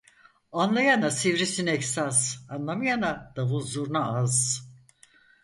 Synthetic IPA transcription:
anlˠajanasivɾisinɛksaz̥anlˠamajanad̪̥avuzuɾnaaz̥

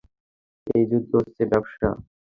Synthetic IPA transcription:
ejd͡ʑud̪ʱːoost͡ɕʰebɛboʃa̰

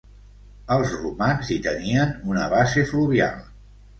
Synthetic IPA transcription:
əlˠzrumanzit̪əniənunəβasefluβia̰lˠ

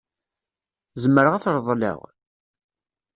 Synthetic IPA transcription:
zəmːəɾəʁæθɾˤðˤlḛʁ

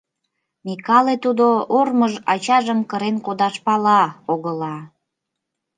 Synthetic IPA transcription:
mikɑlet̪ud̪oorməʒɑt͡ɕɑʒəmkəɾenkod̪ɑʃpɑlɑoɣəlɑ

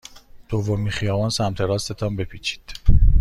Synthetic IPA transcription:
d̪̥ovːomiχijɒːvɒːnsæmt̪ʰe̞ɾɒːst̪e̞t̪ʰɒːmbe̞pʰiːt͡ʃʰi̥ːd̪̥

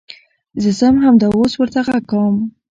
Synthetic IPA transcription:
zəzamɦamd̪ɑoswəɾt̪aɣaɡam

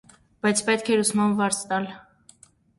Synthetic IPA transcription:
b̥ɑjt͡sʰpɛt̪kʰɛɾusmɑnvɑɾt͡sʰt̪ɑl

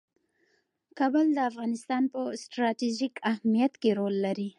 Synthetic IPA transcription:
kɑbəld̪əafɣɑnɪst̪ɑnpəsʈɾɑtiʒikahmijat̪keɾolːaɾi

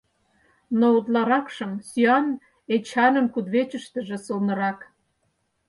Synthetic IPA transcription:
nout̪̬lɑɾɑkʃɤ̆msyɑn | et͡ɕɑnə̆mkud̪βet͡ɕə̆ʃt̪ə̆ʒĕsɤlˠnɤ̆ɾɑk

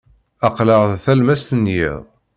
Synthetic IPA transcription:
ɑqləʁðθælmæst̪ənjḭðˤ

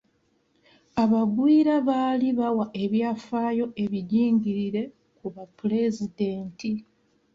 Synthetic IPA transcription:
aβaɡwiːɾaβaːliβawaʔe̞βjaːfaːjo̞ʔe̞βiɟiːŋɟiɾiɾe̞ | kuβapule̞zideːntʰi

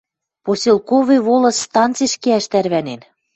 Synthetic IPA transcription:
posʲelˠkovĕβolɤ̆sːt̪ɑnt͡seʃkeæʃt̪æɾβænen

